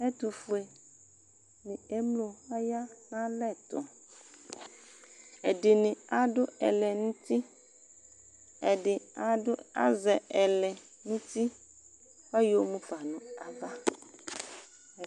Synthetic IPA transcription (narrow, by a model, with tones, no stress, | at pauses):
e˦t̪u˨fo˨e˨ | nĩ˨e˦mlo˨a˦ja˦nã˦lɛ˦˨t̪ɔ̰˨ | e˨ɖe˨nĩ˨a˨ɖʊ˦ɛ̰˨lɛ˨nũ˦t̪i˦ | ɛ˨ɖɪ˨˦ | a̰˦zɛ˨ɛ˨lɛ˨ | nũ˦t̪i˦ | wɛ˦jo˦mũ˦pa˨nɔ̃˨a˨va˦˨